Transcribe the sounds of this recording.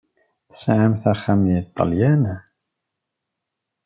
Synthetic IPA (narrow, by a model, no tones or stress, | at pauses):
θə̥sʕamθaɾχamjit̪ˤːɑ̰ljænæ